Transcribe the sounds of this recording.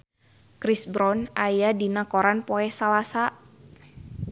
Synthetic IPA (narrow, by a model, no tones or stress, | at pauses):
kɾisbɾɔnajadinakoɾanpɔɛhsalasa